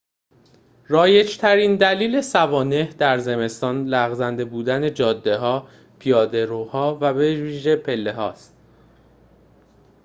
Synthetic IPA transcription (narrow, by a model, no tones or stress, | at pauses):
ɾɒːje̞d͡ʒt̪ʰæɾiːnd̪æliːle̞sævɒːne̞hd̪æɾze̞me̞st̪ɒːnlæɣzænd̪e̞buːd̪æne̞d͡ʒɒːd̪ːe̞ɦɒː | pʰijɒːd̪e̞ɾohɒːvæbeviːʒe̞pʰe̞lːe̞ɦɒ̰ːst̪̚